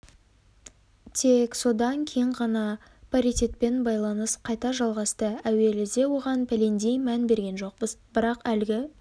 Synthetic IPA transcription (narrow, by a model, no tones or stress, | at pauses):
t̪ʰe̞kso̞d̪ɑŋkʲʰeŋʁɑnɑ | pʰaɾit̪e̞t̪pe̞nbɑjlˠɑnəsqʰɑjt̪ɑʒɑlˠʁɑst̪əæwe̞lɪzd̪e̞wo̞ʁɑnpʰʲælend̪ejmænbe̞ɾɡʲe̞nʒo̞q̚bəzbɪɾɑqælɡʲɪ